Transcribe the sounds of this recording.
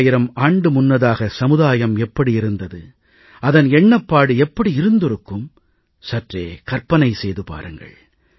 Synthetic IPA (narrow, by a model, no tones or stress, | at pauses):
jɪɾɐmaːɳɖɯmʊnːɐðaːɣɐsɐmɯðaːjɐmɛpːɐɽiɪɾɯnd̪ɐðɯ | ɐðɐnɛɳːɐpːaːɽɯɛpːɐɽiɪɾɯnd̪ɯɾɯkːɯm | sɐʈreːkɐrpɐnɐɪsɛjðɯpa̰ːɾɯŋɡɐ̰ɭ